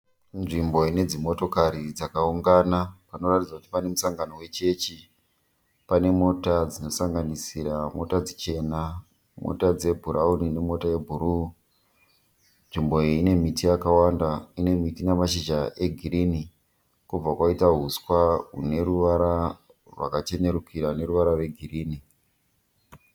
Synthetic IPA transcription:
nʐimbo̞ine̞d͡zimo̞to̞kaɾid͡zakauŋɡanapano̞ratid͡zakutipane̞musaŋɡano̞we̞t͡ʃe̞t͡ʃi | pane̞mo̞tad͡zino̞saŋɡanisiɾamo̞̰tad͡zit͡ʃe̞na | mo̰tad͡ze̞bʱuɾʔaunine̞mo̞taje̞bʱuɾu | nʐimbo̞iine̞mitʰijakawandaine̞mitinemaʃiʒaʔe̞ɡʱiɾini | kub͡vakwaitaɦuskwaɦṵne̞ɾuʋaɾa | rwa̰kat͡ʃe̞ne̞ɾukiɾaune̞ɾuʋaɾarwe̞ɡʱiriːni

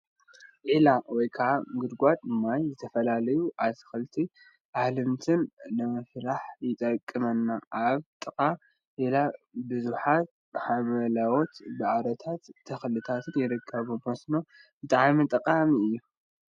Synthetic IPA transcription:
ʔilawɔjkʰɐʕaɡɨd̪ɡʷat̪ʼɨmːajzɨt̪ʰɐfɐlalɐjuʔat̪ʰɨ̥xɨlt̪ʰi | ʔahlɨmt̪ʰɨnːɨmɐfɾaħjɪt̪ʼɐkʼːɨmɐnːaʔaβt̪ʼɨkʼa | ʔilabɨzuħat̪̚ | ħamɐlawot̪bɨʕaɾɐt̪ʰat̪ʰːɐxlɨt̪ʰat̪ʰɨnjɪɾɨkʰːɐβumosno̞ | bɨt̪ʼaʕmit̪ʼɐkʼamiɨjːu

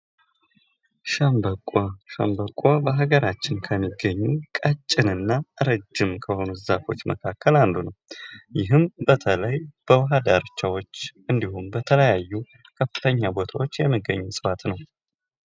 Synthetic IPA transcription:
ʃəmbəkʼoʃə̰mbəkʼːobəɦaɡəɾat͡ʃːɪnkʰəmːiɡːəɲːukʼət͡ʃʼːɪnɨnːaʔɨɾəd͡ʒːɪmkʰəho̞nuzafo̞̰t͡ʃːməkʰakʰːəland̪unəwjɪɦɨmbət̪ʰələjb̥əwəɦad̪aɾt͡ʃːawo̞t͡ʃːʔɨnd̪ihunbət̪ʰələjajːu | kʰəfɨt̪ʰəɲːabo̞t̪ʰawot͡ʃːjɛmːiɡːəɲːusʼɨfat̪nəw

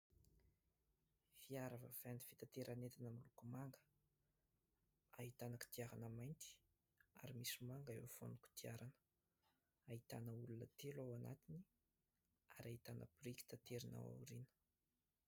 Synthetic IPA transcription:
fiaɾavə̰v̥ani̥fit̪at̪eɾanet̪inamilukumaŋɡə̥ | aɦit̪anəki̥t̪iaɾanəmajnt̪i̥ | a̰ɾimisimaŋɡaḛwfo̰nuku̥t̪iaɾanə̥ | aɦit̪anəulunət̪elawana̰t̪ini | a̰ɾait̪anə̰bɾiki̥t̪at̪eɾina̰wa̰wɾinə̥

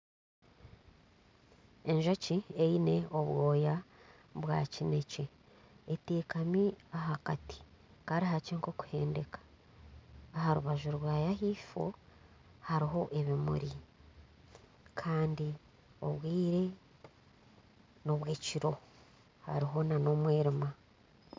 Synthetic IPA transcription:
e̞ɲʒocieine̞o̞βwo̞ːja | βwa̰cine̞ceː | tiːkamiaɦakati̥ | kaːɾiɦaceːŋkoku̥he̞ːnde̞kḁː | ɦaɾuβaʒuɾwaːjahiːfo̞̰ | haɾiɦo̞ʔe̞βimṵɾi | kʰaːndi | o̞̰βwiːɾe̞ | noβweːciɾo̞ | ha̰ɾiɦo̞nano̞mweːɾima

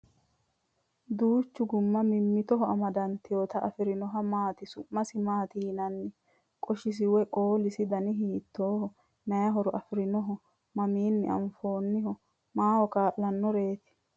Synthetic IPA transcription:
d̪uːt͡ʃːʊɡʊmːɐmɪmːɪt̪ɔɦɔɐmɐd̪ɐnt̪ɪjoːt̪ɐʔɐfɪɾɪnɔɦɐmaːt̪ɪsʊmːɐsɪmaːt̪iːnɐnːɪ | kʼɔʃɪs̬ɪwɛkʼoːlɪsɪd̪ɐnɪɦiːt̪ːoːhɔ | nɐjɐɦɔɾɔʔɐfɪɾɪnɔɦɔ | mɐmiːnːɪɐ̰mfo̞ːnːɪhɔ | maːhɔkaːʔːɐnːɔɾe̞ːt̪ɪ̥

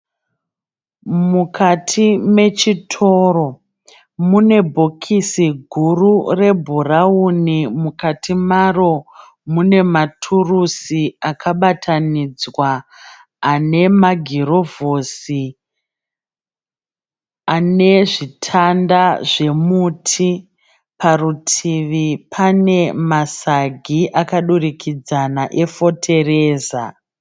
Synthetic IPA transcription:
mukʰatʰime̞t͡ʃitʰo̞ro̞ | mune̞bʱo̞kʰisiɡʱurure̞bʱuraunimukatʰimaro̞ | mune̞matʰurusiakʰaɓatʰanid͡zwaː | ne̞maɡʱiɾo̞vosi | ane̞ʐitʰandaʐe̞mutʰi | parutʰiʋipʰane̞masaɡʱiʔakaɗurikʰid͡zanaʔe̞fo̞tʰe̞re̞ːza̰

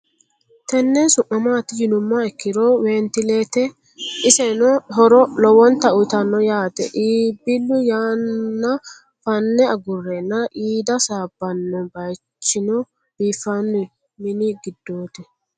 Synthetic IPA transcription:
t̪ɛnːɛsʊʔːɐmaːt̪ːɪd͡ʒɪnʊmːɐɛkːɪɾoːweːnt̪ɪleːt̪ɛ | ʔɪsɛnɔɦɔɾɔlɔwɔnt̪ɐʊt̪ɐnːɔjaːt̪ɛ̰ʔiːbːɪlːʊjaːɐ | fɐnːɛɐɡʊrːɛnːɐʔiːd̪ɐsaːbːɐnːɔbɐj | t͡ʃːɪnɔ | b̥iːfːɐnːʊ | mɪnɪɡɪd̪ːoːt̪ɛ

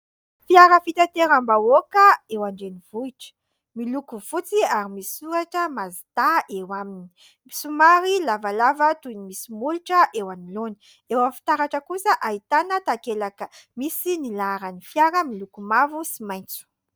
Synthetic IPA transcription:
fiaɾəfit̪at̪eɾambawokəewaɳɖ͡ʐenivuiʈ͡ʂə̥ | milukuv̥ut͡siaɾimisisuɾaʈ͡ʂəmazit̪aʔewamini̥ | misumaɾilavalavət̪unimisimuluʈ͡ʂəʔewaniloni | ewafi̥t̪aɾaʈ͡ʂəkusəʔait̪anət̪akelakəmisinilaɾanifjaɾəmilukumavusimaj̃nt͡su̥

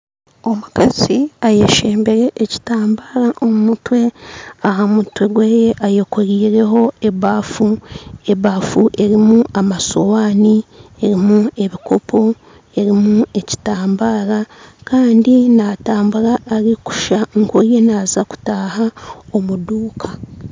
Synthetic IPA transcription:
o̞mukaz̥iaje̞ʃe̞ːmbe̞ɾe̞ʔːci̥taːmbaːɾaʔo̞mumutwe̞aɦamutwe̞ɡwe̞ːjeʔajokoɾiːɾe̞ɦo̞e̞βaːfueβafuʔe̞ɾimuʔamaso̞waːnie̞ɾimue̞βiko̞pʰo̞ | e̞ɾimue̞ci̥taːmbaːɾakaːndinaːtaːmbuɾaʔːɾiku̥ʃaŋkoje̞naːzaku̥taːɦaomuduːkʰa

